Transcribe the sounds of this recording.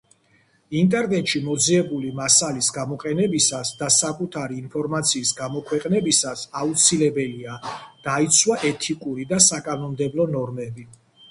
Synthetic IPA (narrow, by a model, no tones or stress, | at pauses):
int̪ʼɛɾnɛt̪ʼʃimɔd̪ziɛbulimasalisɡamɔqʼɛnɛbisasd̪asakʼut̪ʰaɾiːnpʰɔɾmat̪sʰiːsɡamɔkʰwɛqʼnɛbisasaut̪sʰilɛbɛliad̪̥ait̪sʰwaʔɛt̪ʰikʼuɾid̪asakʼanɔmd̪ɛblˠɔnɔɾmɛbi